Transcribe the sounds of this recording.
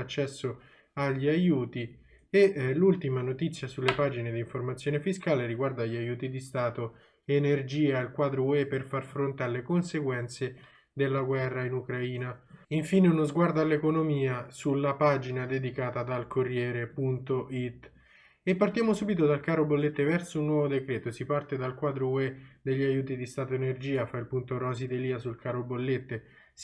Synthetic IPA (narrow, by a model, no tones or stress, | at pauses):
at͡ʃːɛsːo | aʎːiajuːt̪i | eʔlult̪imanot̪it̪sːjasulːepaːd͡ʒined̪iːɱformat̪sːjoːnefiskaːleɾiɡward̪aːʎːiajuːt̪id̪ist̪aːt̪o | enerd͡ʒiːailkwaːd̪ɾowɛpːerfarfɾont̪ealːekonseɡwɛnt̪se | d̪elːaɡwɛrːainukɾaiːnaiɱfiːneunozɡward̪oalːekonomiːasulːapad͡ʒinad̪ed̪ikaːt̪ad̪alkorːjɛːɾepunt̪oʔit̪ː | epːart̪jaːmosuːbit̪od̪alkaːɾobolːet̪ːevɛrsounːwɔvod̪ekɾeːt̪osipart̪ed̪alkwaːd̪ɾowed̪eʎːiajuːt̪̬id̪ist̪aːt̪oenerd͡ʒiːafailpunt̪orɔzid̪eliːasulkaɾobolːet̪ːe | s